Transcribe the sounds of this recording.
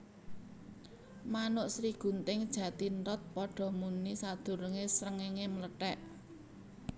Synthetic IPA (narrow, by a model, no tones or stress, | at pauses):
manʊʔsɾiɡ̥ṳnt̪ɪŋd̥ʒ̥ä̤t̪inɾɔt̪̚pɔɖ̥ɔ̤munisad̪̥ṳɾəŋesɾəŋeŋemələʈɛʔ